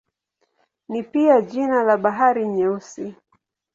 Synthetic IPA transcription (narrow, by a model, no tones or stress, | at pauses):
nipiaʄinalaɓaɦaɾiɲɛusi